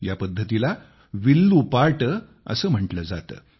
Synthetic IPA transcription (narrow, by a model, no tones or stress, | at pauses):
japəd̪ʱːət̪ila | ʋilːupaɾʈə | ə̰səːm̤əɳʈləd͡za̰t̪ə̰ː